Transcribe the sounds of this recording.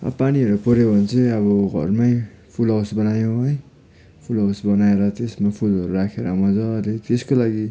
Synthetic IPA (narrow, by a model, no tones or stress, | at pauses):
ʌ̰paniɦʌɾupʌɾebʌnt͡sʌʌβʌɡʱʌ̰rmaj | pʰulʌwsbʌnajõɦʌj | pʰulʌwsbʌnaeɾʌt̪esmapʰulɦʌɾuɾakʰeɾʌamʌt͡sʰʌːlet̪eskolaɡi